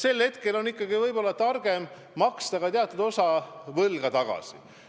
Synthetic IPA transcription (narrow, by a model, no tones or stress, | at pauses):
se̞lhe̞t̪ke̞lo̞nikːˑɑɡivɤjbo̞lːɑt̪ɑrɡ̥e̞mː | ɑkst̪ɑɡ̥ɑt̪eɑt̪ːˑud̪o̞sɑvɤlɡ̥ɑt̪ɑɡ̥ɑ̰sḭ